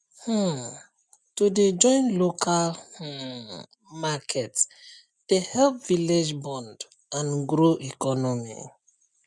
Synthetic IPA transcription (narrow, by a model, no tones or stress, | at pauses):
h̩ | tuded͡ʒɔ̃ɪ̃nlokʰal | makʰɛt | d̥ehɛlpviled͡ʒbɔ̃nd | ãnɡɾoʔikɔnɔmḭ